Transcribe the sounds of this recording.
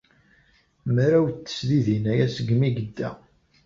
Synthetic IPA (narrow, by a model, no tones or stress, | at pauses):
mɾæwt͡sːə̥sðiðinæjæsəɡmiɡəd̪ːæ̰